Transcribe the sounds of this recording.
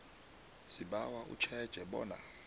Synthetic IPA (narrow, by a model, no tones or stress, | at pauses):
siɓawaʔṵt͡ʃʰɛd̥ʒ̥ʱɛɓɔ̰ːna̰